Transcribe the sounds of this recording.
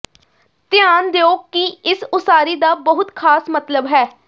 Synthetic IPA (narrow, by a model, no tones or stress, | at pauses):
t̪jaːnd̪eoːkkiɪsʊsaːɾiːd̪aːbəɦʊt̪kʰaːsmət̪ləbɦɛː